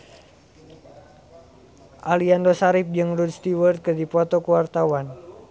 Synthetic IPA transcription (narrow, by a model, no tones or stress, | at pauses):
ʔaliandɔsaɾip̚d͡ʒɨŋrud̪st̪iwərt̪̚kərdipɔt̪ɔkuwart̪awan